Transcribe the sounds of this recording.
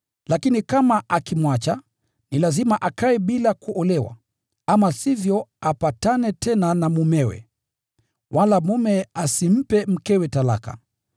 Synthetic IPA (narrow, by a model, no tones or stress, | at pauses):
lakinikamaʔakimwat͡ʃa | nilazimaʔakaɛɓilakuʔɔlɛwa̰ | amasivjɔapatanɛtɛnanamumɛwɛ̰ | wʔalamumɛasim̩pɛm̩kɛwɛtala̰ka̰